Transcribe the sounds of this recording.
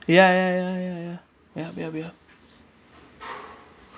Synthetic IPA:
jajajajaja | jabjabjab̚

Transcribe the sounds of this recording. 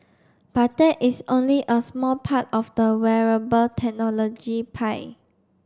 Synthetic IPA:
b̥at̚dɛʔisõnliʔəsmɔlpʰatɔfdəwɛɹəbəltʰɛk̚nɔlɔd͡ʒipʰaɪ

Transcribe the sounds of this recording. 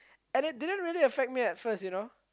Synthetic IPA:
ɛ̃nɪt̚dɪdə̃ntɹiəliəfɛk̚t̚miɛtfəstjuno

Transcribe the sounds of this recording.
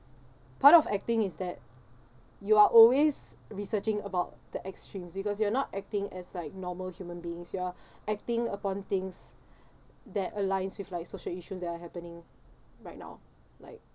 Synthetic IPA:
pʰatɔfɛk̚tɪ̃ŋɪsdɛt̚ | juaʔɔlwesɹisət͡ʃɪ̃ŋəbaʊt̚d̥əʔɛkstɹĩmsbikɔs̬juanɔtɛk̚tɪ̃ŋɛslaɪk̚nɔməlhjumə̃nbiɪ̃ŋsjuaʔɛk̚tɪ̃ŋəpɔ̃nt̪ɪ̃ŋs | dɛtəlãɪ̃nswiflaɪksoʃəliʃusdɛtaɦɛpənɪ̃ŋ | ɹaɪt̚na̰ʊ | la̰ɪk̚

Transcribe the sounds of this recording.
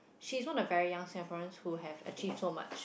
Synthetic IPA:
ʃiswɔ̃nəvɛɹijãŋsɛ̃fɔə̃nshuɦɛvə̰t͡ʃʰivdsoma̰t͡ʃ

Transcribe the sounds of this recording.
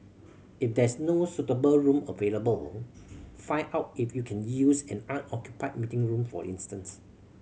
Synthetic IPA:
ifdɛsnosutəbəlɹũmə̰veləbəl | fãɪnaʊt̚ifjukʰɛ̃njusɛ̃nãnɔkjupaɪt̚mitɪ̃ŋɹũmfɔ̰ḭ̃nstə̃ns

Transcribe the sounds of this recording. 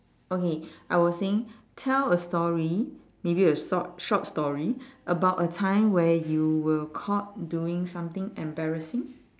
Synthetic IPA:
okeaɪwɔsseɪ̃ŋ | tʰɛləstɔɹi | mebiəɔʃɔt̚stɔɹiʔəbaʊtətʰãɪ̃mwɛjuwəkʰɔt̚duɪ̃ŋsãmt̪ɪ̃ŋɛ̃mbɛɹəsɪ̃ŋ

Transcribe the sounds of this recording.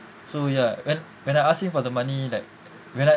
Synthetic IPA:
sojawɛ̃n | wɛ̃naɪaskĩŋfɔdəmãnilaɪk̚ | wɛ̃na

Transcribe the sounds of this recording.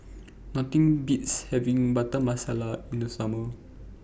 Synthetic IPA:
nɔt̪ĩŋbitshɛvĩŋbatəmasalaĩndəsamə

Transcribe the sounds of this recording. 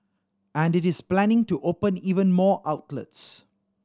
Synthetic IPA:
æ̃ndɪtɪsplænɪ̃ŋtuʔoːpə̃niːvə̃nmɔːʔaʊtlə̰ts

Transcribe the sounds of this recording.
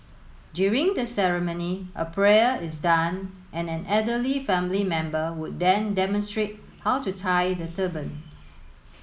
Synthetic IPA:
djuɹĩŋdəsɛɹəmõniʔə̰pʰɹɛəɪsdãn | ʔɛ̃nɛ̃nɛdəlifɛ̃mlimɛ̃mbəwʊd̚dɛ̃ndɛmɔ̃nstɹet̚ | hawtutʰajdətʰəbə̃n

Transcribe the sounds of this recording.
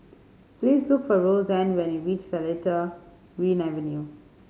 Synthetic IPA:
pliːzlʊkfɔɹozɛ̃ndwɛ̃niɹiːt͡ʃsəlɛtə | ɹiːnɛvɛ̃nju

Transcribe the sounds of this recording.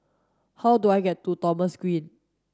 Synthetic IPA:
hawduajɡɛtːutɔməskɹĩn

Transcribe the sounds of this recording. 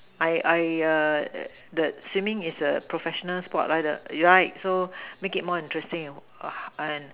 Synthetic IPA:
ʔaɪʔajʌ | dəswĩmɪ̃ŋisəpɹofɛʃɔnəlspɔtlaj̚də̰juɹaɪk̚somekit̚mɔĩntɹɛstɪ̃ŋ | ə̃n

